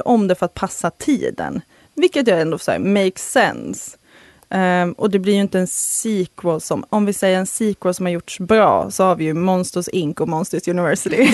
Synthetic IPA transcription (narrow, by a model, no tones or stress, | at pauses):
ʔɔmd̪ɛfœɾat̪̚pʰasːat̪ʰḭːd̪ə̰n | vɪlkːət̪̬jaɛnd̪oːfsɛ̰meɪksɛ̰ns | ʔɔd̪ɛblɪɾjɵɪnt̪əɛnsiːkʰwəlsɔmɔmvɪsɛjːəɾɛnsiːkwəlsɔmhaɾjʊʈʂbɾɑ̰ːsɔhaɾvɪjɵmɔnst̪əsɪŋkʊmɔnst̪əsjʉnɪvɛɾsɪt̪ɪ